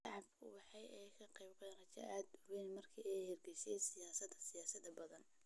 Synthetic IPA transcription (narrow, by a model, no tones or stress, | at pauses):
ʃɑʕɑbkʰʊ̰bɑħɑjɛjkʰɐqɛjbɡɛnrɐt͡ʃɐ̰ʔaːd̪ʊwɛnmɐrkʰiɛjhɛrɡɛjsɛjsɪjaːsɐd̪ɐsɪjaːsɐd̪ɐbɐðɐn